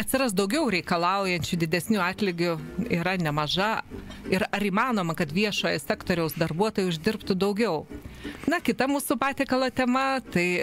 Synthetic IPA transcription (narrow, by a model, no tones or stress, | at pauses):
ɐt̪ʲsʲɪɾɐsd̪ɐʊɡʲɛʊɾʲɛɪkɐlˠɐʊjɛnʲt͡ʃʲʊd̪ʲɪdʲɛsʲnʲuːɑːt̪ʲlʲɪɡʲʊiːɾɐnʲɛmɐʒɐɪɾɐɾiːmɑːnoːmɐkɐt̪ʋʲiɛʃoːjɛsʲæːkt̪oːɾʲɛʊsd̪ɐrbuɔt̪oːjʊʊʒʲd̪ʲɪrpt̪ʊd̪ɐʊɡʲɛʊnɐkʲɪt̪ɐmuːsʊpɑːt̪ʲɛːkɐlˠoːt̪ʲɛmɐt̪ɐɪ